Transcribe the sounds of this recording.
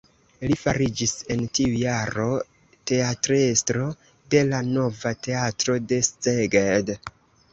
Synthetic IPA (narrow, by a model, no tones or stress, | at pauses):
lifaɾid͡ʒise̞ntiujaɾo̞ | te̞atɾestɾo̞ | de̞lano̞vate̞atɾo̞de̞st͡seɡed